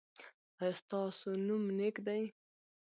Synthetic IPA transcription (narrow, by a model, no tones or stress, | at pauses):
ast̪ɑːsonumnekd̪aj